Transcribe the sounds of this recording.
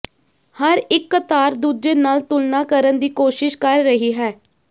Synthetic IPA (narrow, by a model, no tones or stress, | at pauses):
həɾɪkːət̪aːɾd̪uːd͡ʒeːnaːlt̪ʊlnaːkəɾənd̪iːkoːʃɪʃkəɾːəɦiːɦɛː